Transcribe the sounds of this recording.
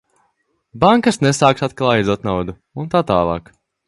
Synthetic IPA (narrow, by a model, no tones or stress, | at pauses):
baŋkasnesaːksat̪̚klˠaːjizuɔt̪̚nawd̪u | unt̪aːt̪aːlˠɑ̰ːk